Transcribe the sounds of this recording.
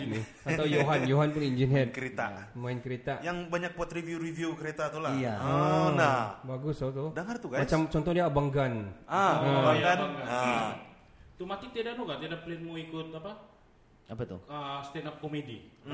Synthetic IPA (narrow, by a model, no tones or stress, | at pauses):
in | at̪awjoɦanjoɦanpʊniɲd͡ʒinɛkəɾet̪amaɪnkəɾet̪aʔjaŋbaɲak̚pɔt̪ɾivjuɾiviukəɾet̪at̪ulaiaənabaɡʊsot̪ʊdaŋart̪ukamat͡ʃamt͡ʃɔnt̪ɔhdiabaŋɡanaəbaɡabaŋɡan | t̪umat̪ɪt̪iadanuɡaʔt̪iadaplenmoikʊt̪apa | apət̪ʊ̰əst̪ɛnap̚komedi